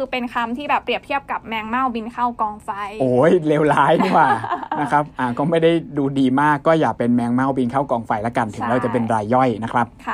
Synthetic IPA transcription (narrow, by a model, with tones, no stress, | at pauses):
ɯː˧pe˧nkʰa˧mt̪ʰiː˥˩bɛː˨˩pːɾi˨˩əp̚t̪ʰi˥˩əp̚ka˨˩p̚mɛː˧ŋma˥˩wbi˧nkʰa˥˩wkɔː˧ŋfa˧jʔoː˧˩jleː˧wlaː˦˥jdi˥˩kwaː˨˩na˦˥kʰɾa˦˥p̚ʔaː˨˩kɔː˥˩ma˥˩jda˥˩jduː˧diː˧maː˥˩kːɔː˥˩jaː˨˩k̚pe˧nmɛː˧ŋma˥˩wbi˧nkʰa˥˩wkɔː˧ŋfa˧jla˦˥ka˧nt̪ʰɯ˩˦ŋɾa˧wt͡ɕa˨˩p̬e˧nɾaː˧jːɔ˥˩jna˦˥kʰɾa˦˥p̚kʰa˧˩